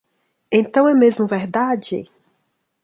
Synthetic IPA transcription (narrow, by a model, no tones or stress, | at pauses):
ẽnt̪ɐ̃w̃ɛmezmʊvɛɾd̪ad͡ʒɪ̰